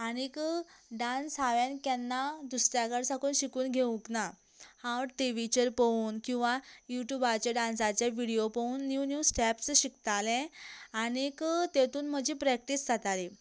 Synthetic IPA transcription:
aɽ̃ikɖãnsaʋãnkɛnːad̪usɾjaɡəɽsakuːnɕikuːnɡʱeũkna | hãʋəɾʈeʋit͡ɕəɾpəuːnkĩw̃ʋajuʈjubat͡ɕaɖãnsat͡ɕjaʋiɽijopəuːnːjunjusʈɛpsɕikt̪alɛ̃aɽ̃ikt̪et̪uːnm̤əd͡ʑipɾɛk̚ʈisd͡zʱat̪ale

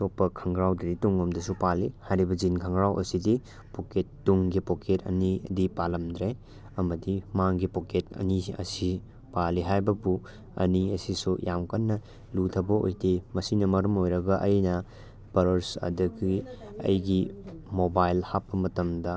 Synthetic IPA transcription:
sopːɐkʰɐŋɡɾawdɐdituŋɐmdɐsupalihajɾibɐd͡ʒinkʰɐŋɡɾawʔɐ̰sidi | poketːuŋɡipokʰetɐ̰nidipalɐmdɾe | ɐmɐdimaŋɡipoketɐ̰niɐ̰si | paliɦajbɐbu | ɐ̰niɐsisujamkɐnːɐ | lutʰɐbɐo̰jtemɐsinɐmɐɾɐmojɾɐɡɐʔɐjnɐ | pɐɾɐɾsɐ̰dɐɡiɐ̰jɡimobajlhapːɐmɐtɐmdɐ

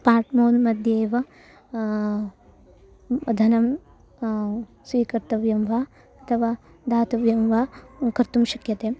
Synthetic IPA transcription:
paːʈmoːnmɐd̪ʱjeːʋɐ | d̪ʱɐnɐm | sʋiːkɐɾt̪ɐʋjɐmʋaː | ɐt̪ʰɐʋaː | d̪ʱaːt̪ɐʋjɐmʋaːkɐɾt̪umʃɐkjɐt̪eː

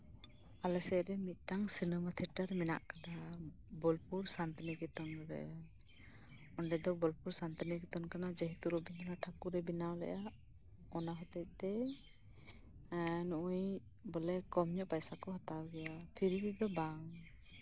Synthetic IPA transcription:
alɛsɛɾɛmit̪̚ˀʈaŋsinəmat̪ʰiʈəɾmɛna̰ʔkana | bɔlpuɾsant̪iniɡɛt̪ɔnɾɾɛ̰ʔa | ɔɳɖɛd̪ɔbɔlpuɾsant̪iniɡɛt̪ɔnkanad͡ʒəɦit̪uɾɔbiɲɔlaʈʰakuɾɛbinawlɛ̰ʔa | ɔnaɦɔt̪ɛc̪̚ˀd̪ɛ | nuʔuj | bɔlɛkɔmɲɔʔpajsakɔɦɔt̪awɡɛjapʰiɾikɛd̪ɔbaw

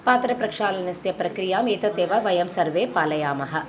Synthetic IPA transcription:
paːt̪ɾɐpɾɐkʂaːlɐnɐst̪jɐpɾɐkɾijaːmeːt̪ɐt̪eːʋɐʋɐjɐmsɐɾʋeːpaːlɐjaːmɐɦɐ̆

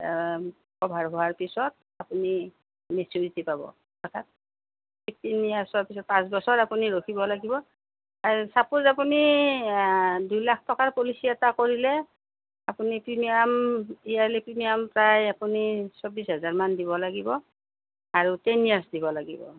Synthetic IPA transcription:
kɔbʱaɹɦowaɹpisɔt̚ | apuni | mesuɹitipabɔ̰ | ɔtʰat̚ | etinijaɹsɔɹpisɔt̚pãsbɔsɔɹapuniɹokʰibɔlaɡibɔ | asapuzapuni | dujlakʰtɔkaɹpulisijatakoɹilɛ | apunipɹimijamijalipɹimijampɹajapunisɔbisɦɛzaɹmandibɔlaɡibɔ | aɹutɛnijaɹsdibɔlaɡibɔ̰

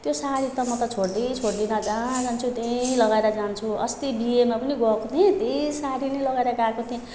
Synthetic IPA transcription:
t̪josaɾit̪ʌmʌt̪ʌt͡sʰoɽd̪it͡sʰoɽd̪inʌd͡zad͡zant͡sʰut̪elʌɡaeɾʌd͡zant͡sʰuʌ̰st̪ibiemapʌniɡʌkot̪ʰẽt̪esaɾinʌjlʌɡaeɾʌɡakot̪ʰiẽ

